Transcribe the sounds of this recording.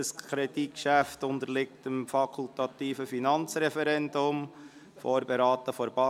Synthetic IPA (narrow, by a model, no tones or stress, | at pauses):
əskʰɾɛd̥ikʃæftʊnd̪əlɪk̚təmfɑkʰultɑt̪iːfəfinɑnt͡sɾɛfɛɾɛndʊm | foːɾbɛɾɑːtəfɔɾb̥ɑ